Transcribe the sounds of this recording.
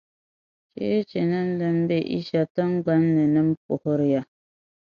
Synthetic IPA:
t͡ʃḛ˦t͡ʃe˨nə˦n̩˦də˦m˦be˦˨ʔḭ˦ʃa˨tə˦ŋ˦ɡa˦nːə˨nə˦m˦po˨ho˦ɾja˨

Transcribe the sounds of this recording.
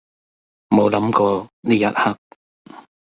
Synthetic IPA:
mo˨˧wlɐ˨˥mkɔː˧niː˥jɐ˦˥t̚hɐ˥k̚

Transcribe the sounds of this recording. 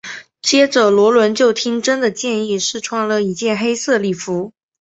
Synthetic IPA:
t͡ɕjɛ˥ʈ͡ʂə˨˩lwɔ˧˥lwə˧˥nt͡ɕjo˥˩ʊt̪ʰi˥ŋʈ͡ʂə˥nd̪ə˨t͡ɕjɛ˥˧ni˥˧ʂɻ̩˥˩ʈ͡ʂʰwɑ˥˩ŋlə˨i˧˥t͡ɕjɛ˥˩nxe˥ɪsɤ˥˧li˥˩fu˧˥

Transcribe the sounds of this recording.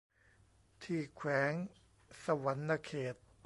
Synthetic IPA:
t̪ʰiː˧˩kʰwɛː˩˦ŋ | sa˧wa˨˩˦nːa˧kʰeː˨˩t̪̚

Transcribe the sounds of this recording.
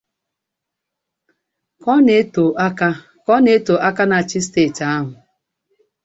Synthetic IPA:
kɔ˦ne˦to˨˦ka˦ | kɔ˦ne˦to˨ʔa˦ka˦na˨t͡ʃi˦steː˦˨ta˦ɦʊ˨

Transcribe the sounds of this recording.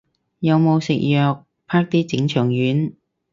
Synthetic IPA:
jɐ˨˧wmo˨˧wsɪ̰˨k̚jœː˨k̚ | pʰaː˥k̚t̪iː˥t͡sɪ˨˥ŋt͡ʃʰœː˨˩ŋjyː˨˥n

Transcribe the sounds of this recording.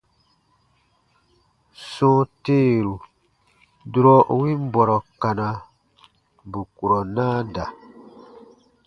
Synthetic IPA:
sɔ̃ː˦teː˦˨ɾu˨ | du˦ɾɔ˦˨wĩ˦m˦bɔ˨ɾɔ˨ka˨nã˨ | bu˨ku˨ɾɔ˨nãː˦da˨

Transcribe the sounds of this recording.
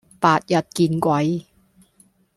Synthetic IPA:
paː˨˩t̚jɐ˨˩t̚kiː˧nkʷwɐ˨˥j

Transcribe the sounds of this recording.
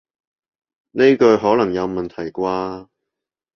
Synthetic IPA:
ne˥jkɵ˧ɥɦɔː˨˥lɐ˨˩ŋjɐ˨˧wmɐ˨nt̪ʰɐ˨˩jkʷwaː˧

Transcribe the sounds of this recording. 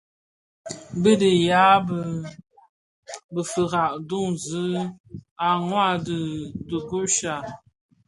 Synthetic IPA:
bə˦də˨ja˨˦bə˨ | bə˨fə˨ɣa˨ʔdu˦˨ŋzə˨˦ | a˨ŋwa˦˨də˨du˨ɡu˦ʃa˨

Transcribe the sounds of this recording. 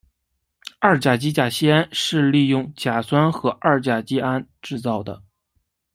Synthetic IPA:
a˞˥˩t͡ɕja˨˩t͡ɕi˥t͡ɕja˨˩ɕi˥a˥nʂɻ̩˥˧li˥˧jʊ˥˩ŋt͡ɕja˨˩swa˥nxɤ˧˥ʔa˥˩t͡ɕja˨˩t͡ɕi˥a˥nʈ͡ʂɻ̩˥˧t͡sɑ˥˩ʊd̪ə̰˩

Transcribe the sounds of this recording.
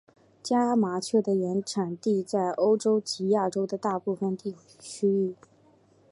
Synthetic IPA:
t͡ɕja˥ma˧˥t͡ɕʰɛ˥˩d̪ə˩jɛ˧˥nʈ͡ʂʰa˨˩nt̪i˥˧t͡sa˥˩ɪʔo˥ʊʈ͡ʂo˥ʊt͡ɕi˧˥ja˥˩ʈ͡ʂo˥ʊd̪ə˨t̪a˥˧pu˥˩fə˥˧nt̪i˥˩ | t͡ɕʰy˥y˥˩

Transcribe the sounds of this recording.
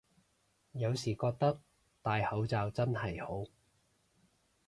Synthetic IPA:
jɐ˨˧wsiː˨˩kɔː˧k̚t̪ɐ˥k̚ | t̪aː˨jhɐ˨˥wt͡saː˨wt͡sɐ˥nhɐ˨˩jho˨˥w

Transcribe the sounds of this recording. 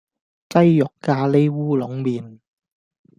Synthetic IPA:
t͡sɐ˥jjʊ˨kːaː˧le˥jwuː˥lʊ˨˥ŋmiː˨˩n

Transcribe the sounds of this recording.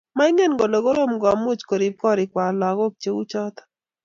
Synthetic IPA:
ma˦ɪ˦ŋe˦nɡo˨lo˨ɡo˦ɾo˦˨mɡɔ˨a˨mo˦t͡ʃko˨ɾi˨p̚kɔ˦ɾɪ˨kwa˨la˨ɡɔ˦k̚t͡ʃe˨˦wu˦t͡ʃɔ˦t̪ɔ̥˦

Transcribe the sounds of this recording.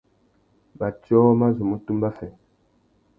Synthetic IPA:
ba˨t͡ʃɔ˦ma˦zu˨mu˦tu˦mba˦fɛ˨

